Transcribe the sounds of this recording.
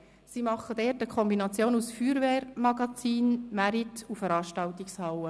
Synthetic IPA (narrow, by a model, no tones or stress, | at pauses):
simɑχəd̥ɛːɾtəkʰɔmbinɑt͡sjoːnusfyːɾveːɾmɑɡɑt͡siːnmæɾitufəɾɑːʃtɑltikshɑwə